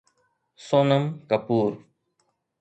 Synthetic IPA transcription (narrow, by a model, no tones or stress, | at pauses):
soːnəmkəpuːɾ